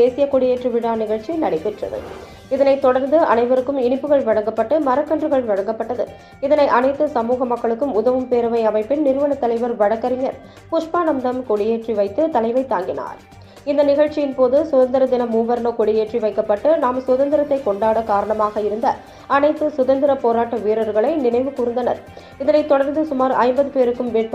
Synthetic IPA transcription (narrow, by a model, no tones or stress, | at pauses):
d̪eːsɪjɐkɔɽɪjeːʈriʋɪɽaːnɪɣɐɻt͡ʃijnɐɽɪpːɪʈrɐ̰ðɯ̰ | ɪðɐnɐɪt̪ːɔɽɐɾnd̪ɯʔɐ̰nɐɪʋɐɾɯkːɯmɪnɪpːɯɣɐɭʋɐɽɐŋɡɐpːɐʈːɯmɐɾɐkːɐndrɯɣɐɭʋɐɻɐŋɡɐpːɐʈːɐðɯ̰ | ɪðɐnɐɪʔɐnɐɪt̪ːɯsɐmuːɣɐmɐkːɐɭɯkːɯmʊðɐʋɯmpeːɾɐʋɐɪɐmɐɪpːɪnnɪɾɯʋɐɳɐt̪ːɐlɐɪʋɐɾʋɐɻɐkːɐɾɪɲɐɾ | pʊʂpaːnɐmd̪ɐmkɔɽɪjeːʈriʋɐɪt̪ːɯt̪ɐlɐɪʋɐɪt̪ːaːŋɡɪna̰ːɾ | ɪnd̪ɐnɪɣɐɻt͡ʃːɪjɪnpoːðɯsʊðɐnd̪ɪɾɐd̪ɪnɐmuːʋɐɾnoːkɔɽɪjeːʈriʋɐɪkːɐpːɐʈːɯnaːmsʊðɐnd̪ɪɾɐt̪ːɐɪkɔɳɖaːɽɐkaːɾɐɳɐmaːɣɐɪɾɯnd̪ɐ | ɐnɐɪt̪ːɯsʊðɐnd̪ɪɾɐpoːɾaːʈːɐʋiːɾɐɾɣɐɭɐɪnɪnɐɪʋɯkuːɾɯnd̪ɐnɐ̰ɾ | ɪðɐnɐɪt̪ːɔɽɐɾnd̪ɯsʊmaːɾʔɐɪmbɐðɯpeːɾɯkːɯmʋeːʈ̚p